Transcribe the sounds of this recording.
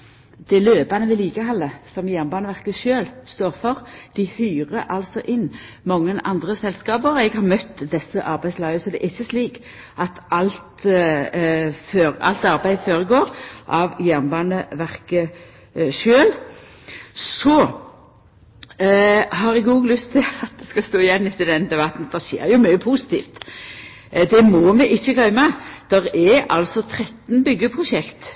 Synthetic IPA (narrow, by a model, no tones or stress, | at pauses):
d̪̥ɪløːbɑnəʋɪliːkəhɑlːəsɔmjæʁnbɑːnəʋæʁkəʃøːlst̪oːʁfɔʁd̪̥ɪhyːʁəʔɑlsɔʔɪnː | mɑŋːənʔɑ̰nd̪ʁəsɛlskɑːbəʁɛɡhɑʁmœt̪ːd̪ɛsːəʔɑɾbæɪslɑːəsɔd̪ɛʔɪçːəsliːk | ʔɑt̪ɑlt̪ | føːɾɑ̰lt̪ɑɾbæɪd̪foːʁəɡoːɾʔɑʋjæʁnbɑːnəʋæʁkə | ʃøːl | sɔ | hɑɾɛɡuːɡlʏst̪ʰːɪlɑt̪̚d̪ɛskɑst̪oːɪjɛnːɪt̪ːɪd̪ɛnd̪ɛbɑt̪n̩d̪ɛʃḛːɾjʊmœʏəpʰusɪ̥t̪ʰḭːft̪ | d̪ɛmɔmɛʔɪçːəɡlœʏməd̪̥ɛʁɛɑ̰lsɔt̪ʰʁɛt̪ːnbʏɡːəpʰʁʊʃɛkt̪